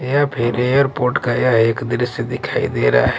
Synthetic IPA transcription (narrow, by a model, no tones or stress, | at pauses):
japʰɪɾejəɾpoːɾʈkajaɦeːkd̪ɪɾəsːed̪ɪkʰaːḭd̪eːɾa̰aɦ